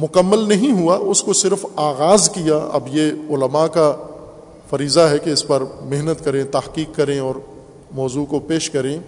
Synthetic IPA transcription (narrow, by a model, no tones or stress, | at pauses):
mʊkəmːəlnɐɦĩɦuaʔʊskosɪɾfaːɣaːzkijaɐ̰bjeʊləmaka | fɐɾiːzaɦɛkeɪspɐɾmɪɦnət̪kɐɾẽt̪ɐɦqiːkːɐɾẽɔːɾ | mɔːzukopeːʃkɐɾẽ